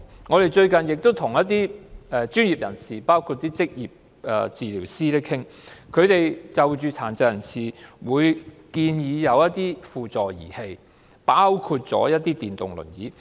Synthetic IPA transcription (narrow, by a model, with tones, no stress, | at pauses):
ŋɔː˨˧t̪e˨˩jt͡ʃɵ˧ɥkɐ˨njɪ˨k̚t̪o˥wt̪ʰʊ˨˩ŋjɐ˥t̪̚iː˥ɛ˨˧t͡ʃyː˥njiː˨˩p̚jɐ˨˩nsiː˨˩paː˥wkʰu˧t̚t̪iː˥t͡sɪ˥k̚jiː˨p̚ | ɛ̰˧t͡siː˨liː˨˩wsiː˥t̪ɪ˥kʰɪ˥ŋ | kʰɵ˨˧ɥt̪e˨jt͡sɐ˨wt͡ʃyː˨˧t͡sʰa̰ː˨˩nt͡sɐ˨˧jɐ˨˩nsiː˨wuː˨˧jkiː˧njiː˨˧jɐ˨˧wjɐ˥t̚t̪iː˥fuː˨t͡sɔː˨jḭː˨˩he˧j | paː˥wkʰuː˧t̚t͡ʃɔ̰ː˨˥jɐ˥t̚t̪iː˥t̪iː˨˩nt̪ʊ̰˨˩ŋlɵ̰˨˩njḭː˨˥